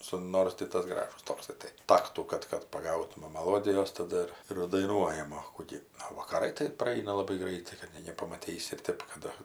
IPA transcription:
ˈsʊ ˈnoːrs tʲɪ ˈtɐs ˈɡrɑːʒʊs ˈtoːksɐɪ tɐɪ ˈtɑːktuː ˈkɐt kɐt pɐˈɡɐʊtʊmɐ mɐˈlˠoːdʲɪjoːs tɐˈdʊ ɪr ɪr dɐɪˈnuɔjɛm oː ˈkʊ ɡʲɪ oː ʋɐkɐˈrɐɪ tɐɪ prɐˈɐɪnɐ lˠɐˈbɐɪ ˈɡrɐɪtɐɪ kɐt ˈnʲɛɪ nʲɛpɐmɐˈtʲiːsʲɪ ɪr ˈtʲeːp kɐ ˈdʊ

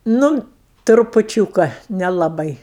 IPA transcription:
ˈnʊ trʊpʊˈt͡ʃʲuːkɐ nʲɛlˠɐˈbɐɪ

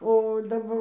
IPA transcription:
oː dɐˈbɐr

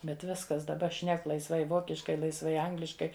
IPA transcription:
bʲɛt ˈʋʲɪskɐs dɐˈbɐ ˈʃʲnʲɛk lˠɐɪsˈʋɐɪ ˈʋoːkʲɪʃkɐɪ lˠɐɪsˈʋɐɪ ˈɐŋɡlʲɪʃkɐɪ

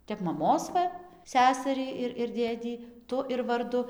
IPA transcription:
ˈtʲɛp mɐˈmoːs ˈʋɐ ˈsʲæːsɐrʲiː ɪr ɪr ˈdʲeːdʲiː ˈtʊ ɪr ʋɐrˈdʊ

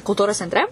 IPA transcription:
kʊlˠˈtuːroːs t͡sʲɛnʲtʲˈrʲɛ

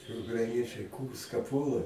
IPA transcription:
ʊkrɐɪˈnʲiɛt͡ʃʲɛɪ ˈkuːrskɐ ˈpuɔlˠɐ

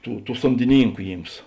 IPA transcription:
ˈtuː ˈtuː soːmʲdʲɪˈnʲiːŋkʊ ˈjiːms

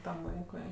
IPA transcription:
tɐm ˈʋɐɪkʊɪ

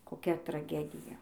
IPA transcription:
koːˈkʲɛ trɐˈɡʲæːdʲɪjɛ

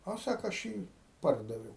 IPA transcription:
ɐ ˈsɑːkoː ɐʃ ˈjiː ˈpɐrdɐʋʲɛʊ

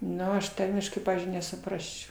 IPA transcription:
ˈnʊ ɐʃ ˈtɐrʲmʲɪʃkɐɪ ˈpɑːʋʲiːzʲd͡ʒʲʊɪ nʲɛsʊˈprɑːsʲt͡ʃʲɛʊ

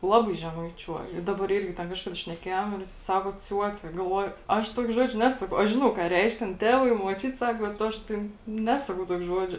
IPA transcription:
ˈlˠɑːbɐɪ ʒʲɛmɐɪˈt͡ʃʲuɔj ɪ ˈdɑːbɐr ˈɪrʲɡʲɪ tʲɛn ˈkɑːʃkɐdɐ ʃʲnʲɛˈkʲeːjoːm ɪr jɪˈsɐɪ ˈsɑːkoː ˈt͡sʲuɔt͡sʲɛ ɡɐlˠˈʋuɔjʊ ˈɐʃ ˈtuɔkʲeː ˈʒoːd͡ʒʲoː ˈnʲæːsʊ ɐʃ ˈʒʲɪnɐʊ kɑː ˈrʲɛɪʃk tʲɛn ˈtʲæːʋɐɪ ɪ muɔˈt͡ʃʲʊt ˈsɐk bʲɛt ˈɐʃ tʲeːn ˈnʲæːsɐkɐʊ ˈtuɔkʲ ˈʒuɔd͡ʒʲoː

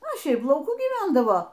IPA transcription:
oː ˈʃʲɛɪp lˠɐʊˈkuː ɡʲiːˈʋʲɛndɐʋoː

